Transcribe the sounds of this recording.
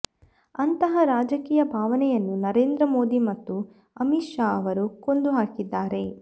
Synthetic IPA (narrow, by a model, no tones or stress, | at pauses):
ɐnt̪ɐɦɐɾaːd͡ʒɐkiːjɐbʱaːʋɐnɛjɐnːunɐɾeːnd̪ɾɐmo̞ːd̪imɐt̪ːu | ɐmiʃaːɐʋɐɾuko̞nd̪uɦaːkid̪ːaːɾe̞